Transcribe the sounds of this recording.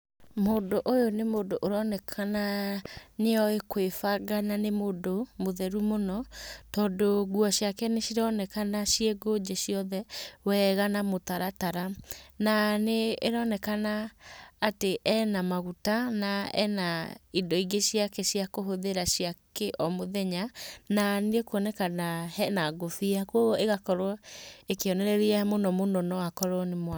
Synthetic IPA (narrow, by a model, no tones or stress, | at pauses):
modoʔojonemoːdoʔoɾɔnɛkʰana | neɔekwefaɡananemodomoðɛɾumonɔtɔːndoɣuɔɕiakɛneʃiɾɔnɛkanaʃieɡod͡ʒeɕiɔðɛwɛɣanamot̪aɾataɾananeeɾɔnɛkanaː | teʔɛnamaɣutanaɛ̰naidɔiɡeɕiakɛʃiakoɦoðeɾaɕiakeʔɔmoðɛɲananekwɔnɛkanahɛnaɡofiakwoɣeɣakɔɾɔekeɔnɛɾɛɾiɛmonɔmonɔnɔwakɔɾɔnemw